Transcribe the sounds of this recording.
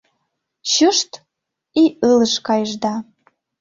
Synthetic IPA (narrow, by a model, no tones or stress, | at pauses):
ɕuʃt̪ | iələʃkɑjəʒd̪ɑ